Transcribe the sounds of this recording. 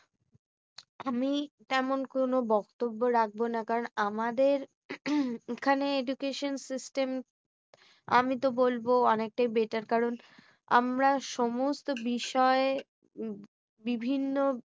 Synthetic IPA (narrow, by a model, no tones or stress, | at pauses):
amit̪ɛmonkonobɔkt̪obːoɾak̚ʰbonakaɾonamad̪eɾ | ekʰaneed͡ʒukeʃonsisʈem | a̰mit̪̬obolboɔnek̚ʈajbeʈaɾkaɾon | a̰mɾaʃɔmost̪obiʃɔe | bibʱinːo